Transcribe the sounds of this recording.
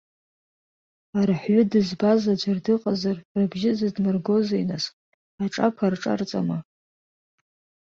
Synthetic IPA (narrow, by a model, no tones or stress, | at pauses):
arħɥʊdɨzbazad͡ʒʷardɨqʼazarrabʒɪzɨdmɨrɡo̞zainasʼ | aʈ͡ʂʼakʷʰarʈ͡ʂʼa̰rt͡sʼama